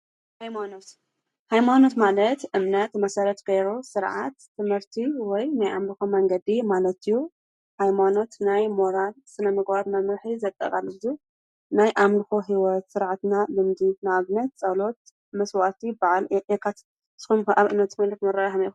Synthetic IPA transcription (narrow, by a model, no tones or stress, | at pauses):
hajmanot̪ | hajmano̞t̪malɐt̪ʔɨmnɐt̪mɐsɐɾɐt̪keɾosɨɾʕa̰t̪ːɨmhɨɾt̪ʰiwɔjnajʔamlɨxomɐŋɡɐd̪imalɐt̪ɨjːu | hajmano̞t̪najmo̞ɾalsɨnɐmɨɡat̪mɐmɾħizɐt̪ʼːɐ̰kʼalːɨbɨzu | najʔamlɨxoɦiwɔt̪sɨɾʕat̪nalɨmd̪inaaβnɐt̪̚t͡sʼɐlo̞t̪̚ | mɐswalt̪ʰibaʕalʔekʰat̪ | sxumaβʔɨmnɐt̪̚ːɨmɐlɐt̪mɐɾajaɨmi